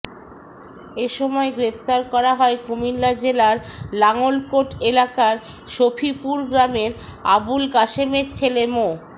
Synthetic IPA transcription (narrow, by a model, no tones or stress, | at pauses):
eʃɔmɔeɡɾep̚t̪aɾkɔɾaɦɔekomilːad͡ʑelaɾlaŋolkoʈelakaɾʃofʰipuɾɡɾameɾa̰bulɡaʃemeɾt͡ɕʰelemo